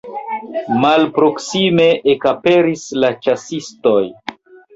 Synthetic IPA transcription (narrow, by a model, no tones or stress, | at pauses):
malpɾo̞ksime̞ʔekape̞ɾislat͡ʃasisto̞j